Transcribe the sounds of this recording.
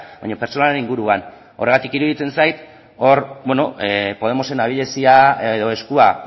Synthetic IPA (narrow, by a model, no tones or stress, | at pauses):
ba̰jɲope̞ɾt͡so̞naɾeniŋɡuɾuan | o̞re̞ɣ̞at̪ikiɾuðit͡se̞nsajt̪ | o̞ɾbweno̞epo̞ð̞e̞mo̞se̞naβ̞iʎe̞siaðo̞e̞skua